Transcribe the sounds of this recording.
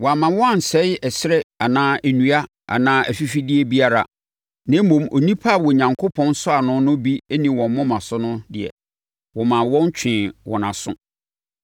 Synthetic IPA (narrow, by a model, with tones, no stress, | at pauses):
wɔ˨a˨mã˨˦wɔ˦a˦n̩˨sɛ˦ɛ˨sɾɛ˦a˨nãː˦ʔæ˨nũ˨a˦ | ʔa̰˨nãː˦ʔæ˨fi˦fi˦dɪ˦ɛ˨bi˦a˦ɾa̰˨ | nã˦mõ˨mo̰˨nĩ˦pʰa˦˨wɔ˨ɲã˨ŋkʰo˦pʰɔ̃˦n˦sʊ˦a˨nʊ̃˦nʊ̃˦bi˦e˦nĩ˨wɔ̃˨m˦mɔ̃˦mã˨sʊ˦nʊ̃˦dɪ˨ɛ̰˨ | wɔ˨mã˨wɔ̃˦n˦t͡ɕᶣʰɪ̃˨wɔ̰̃˨nã˨sʊ̰̃˦